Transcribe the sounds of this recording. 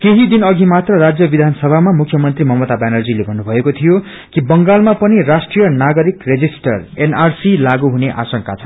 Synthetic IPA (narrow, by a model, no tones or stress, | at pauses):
keɦid̪inʌɡʱimat̪rʌrad͡zjʌbid̪ʱansʌbʱamamukʰjʌmʌnt̪rimʌmʌt̪abanʌrd͡zilebʱʌnːubʱʌekot̪ʰijo | kibʌŋɡalmapʌnirasʈrijʌnaɡʌɾikred͡zisʈʌrenarsilaɡuɦuneʔa̰sʌŋkat͡sʰʌ